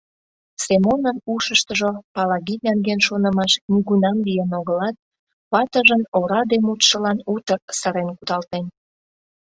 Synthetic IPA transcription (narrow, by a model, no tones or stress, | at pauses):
semonənuʃəʃt̪əʒopɑlɑɣinæŋɡenʃonə̆mɑʃniɣunɑmlijenoɣəlɑt̪̚ | pɑt̪əʒənoɾɑd̪emut̪ʃəlɑnut̪ərsəɾenkud̪ɑlt̪en